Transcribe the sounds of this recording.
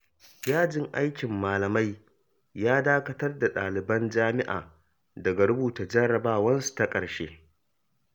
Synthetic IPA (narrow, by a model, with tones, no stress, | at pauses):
jaː˦d͡ʒɪ˨ŋʔa˦jkʲɪ˨mːaː˨lɐ˨ma˦j | jaː˦daː˦kɐ˦tɐ˦rda˨ɗaː˨lɪ˨bɐ˦nd͡ʒaː˦mɪ˦ʔa̰ː˨ | dɐ˨ɡa˨ɽʊ˦buː˨ta˨d͡ʒɐ˦ɽɐ˨baː˦wɐ˦nsu̥˨ta˦kʼɐ˨ɾʃeː˦